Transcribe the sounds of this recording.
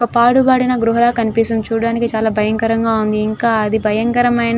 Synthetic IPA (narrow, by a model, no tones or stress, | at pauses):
ɔpaːɽubaːɽinɐɡɾuɦɐlaːkɐnipisunt͡ʃuːɽaːnikit͡ʃaːlaːbʱɐjɐŋkɐɾɐŋɡaːund̪iːŋkaːɐd̪ibʱɐjɐŋkɐɾɐmɐjn